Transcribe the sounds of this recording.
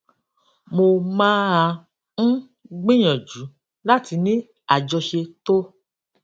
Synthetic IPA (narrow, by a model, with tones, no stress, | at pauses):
mo˧mãː˦a˧ | ñ̩˦ | ɡ͡bĩ˦j̃ɔ̃˨d͡ʒu˨˦ | la˦ti˧nĩ˦ | a˨d͡ʒɔ˧ʃe˧to˦